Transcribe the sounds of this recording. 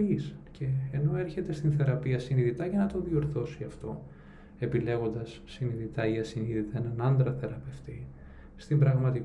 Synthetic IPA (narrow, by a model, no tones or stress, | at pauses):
isce̞ːno̞e̞ɾçe̞t̪e̞st̪inθe̞ɾɐpiɐsiniðit̪ɐʝɐnɐt̪o̞ðio̞ɾθo̞siɐft̪o̞ | e̞pile̞ɣo̞nd̪ɐsːiniðit̪ɐiɐsiniðit̪eenɐnɐnd̪ɾɐθe̞ɾɐpe̞ft̪i | st̪imbɾɐɣmɐt̪ik